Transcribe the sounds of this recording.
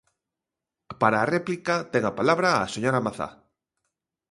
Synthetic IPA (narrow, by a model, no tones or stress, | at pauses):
paɾaːrɛplikat̪ɛŋapalaβɾaːseɲoɾamaθa̰